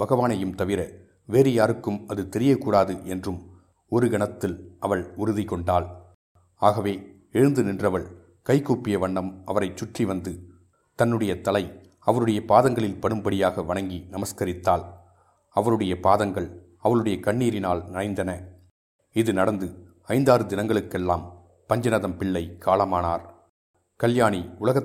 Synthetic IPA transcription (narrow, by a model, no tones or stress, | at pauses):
bɐɣɐʋaːnɐjɯmt̪ɐʋɪɾɐ | ʋeːɾɐjaːɾɯkːɯmɐðɯt̪ɛɾɪjɐkuːɽaːðɯʔɛndrɯm | ɔɾɯɡɐɳɐt̪ːɪlʔɐʋɐɭʊɾɯðɪkɔɳɖaːl | aːɣɐʋeː | ɛɻɯnd̪ɯnɪndrɐʋɐɭ | kɐɪkːuːpːɪjɐʋɐɳːɐmʔɐʋɐɾɐɪt͡ʃːʊʈriʋɐnd̪ɯ | t̪ɐnːɯɽɐjɐt̪ɐlɐɪ | ɐʋɐɾɯɽɐjɐpaːðɐŋɡɐɭɪlpɐɽɯmbɐɽɪjaːɣɐʋɐɳɐŋɡinɐmɐskɐɾɪt̪ːaːl | ɐʋɐɾɯɽɐjɐpaːðɐŋɡɐɭ | ɐʋɐɭɯɽɐjɐkɐɳːiːɾɪnaːlnɪnɐɪnd̪ɐnɐ | ɪðɯnɐɽɐnd̪ɯ | ɐɪnd̪aːɾɯd̪ɪnɐŋɡɐɭɯkːɛlːaːm | pɐɲd͡ʒɐnɐðɐmpɪɭːɐɪkʰaːlɐmaːnaːɾ | kɐljaːɳiʊlɐɣɐ